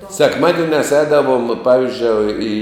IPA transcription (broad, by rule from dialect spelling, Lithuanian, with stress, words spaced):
sʲɛkˈmɑːdʲɪnʲæːs ˈɛːdɐʋoːm ˈpɑːʋʲɪzʲd͡ʒʲoːɪ iː